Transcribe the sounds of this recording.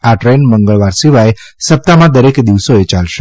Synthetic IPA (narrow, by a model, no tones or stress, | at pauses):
aʈɾenməŋɡəɭʋaɾsiʋae | səp̚t̪amãd̪əɾekd̪iʋsoet͡ʃalʃe